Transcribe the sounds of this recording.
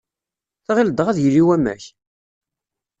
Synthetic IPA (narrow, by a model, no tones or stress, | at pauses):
θʁild̪ʁæðjəlːiwæmːæ̰ç